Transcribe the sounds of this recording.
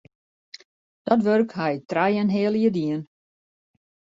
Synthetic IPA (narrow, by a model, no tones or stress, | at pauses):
d̥ɔtʋørkhɛjtrɛjənɦɪəlˠiədiən